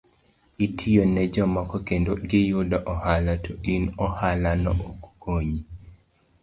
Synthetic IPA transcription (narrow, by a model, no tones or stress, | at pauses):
itʰijonɛd͡ʒɔmɔkɔkendoɡɪjʊdaʔɔhalatʰoʔinɔhalanɔ̰ʔokkoɲi